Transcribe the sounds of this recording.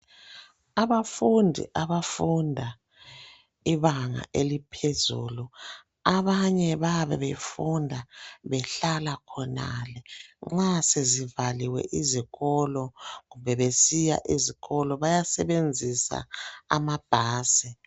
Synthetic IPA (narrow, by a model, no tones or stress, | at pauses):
aβafundʱḭʔaβafundʱa | iβaŋa̰ʔelipʰezṵːlu | aβaɲɛβaβɛβefundʱaβɛɬalakʰɔna̰lɛŋ͡ǁasezivaliwɛ̰ʔiziɣɔlɔɣumbʱɛβesija̰ʔiziɣɔlɔβajasɛβend͡zʱisa̰ːmab̥ʱaːsi